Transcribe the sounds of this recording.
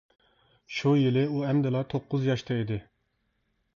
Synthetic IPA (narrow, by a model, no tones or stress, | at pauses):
ʃujilɪuɛmd̪ɪlˠɑt̪ʰoqːʊzjɑʃt̪ʰɑid̪ɪ